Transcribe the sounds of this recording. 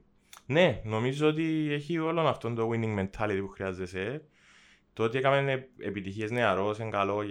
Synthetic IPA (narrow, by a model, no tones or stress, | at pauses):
ne̞no̞mizoot̪̬ie̞çio̞lo̞nɐft̪o̞nd̪owiniŋɡme̞nt̪ʰɐlit̪ipuxɾiɐzːese | t̪oot̪iekɐmeneepit̪içie̞zne̞ɐɾo̞seŋɡɐlo̞